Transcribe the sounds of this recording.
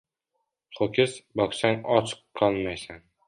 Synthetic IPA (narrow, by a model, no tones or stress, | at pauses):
χokʰʲɪsbɒqsaŋɒt͡ʃʰɨ̥qʰːɒlˠmajsan